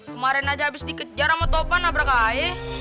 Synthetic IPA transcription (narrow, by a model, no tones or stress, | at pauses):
kəmaɾɛnad͡ʒaabɪsdikət̪̚d͡ʒaɾamət̪opanabəɾakae